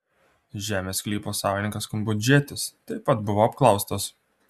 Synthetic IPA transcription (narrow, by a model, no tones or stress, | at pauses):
ʒʲæːmʲeːskʲlʲiːpoːsɑːʋʲɪnʲɪ̃ŋkɐskʊmbʊd͡ʒʲeːt̪ʲɪst̪ɐɪpɐt̪bʊʋoːɐpklˠɒʊst̪oːs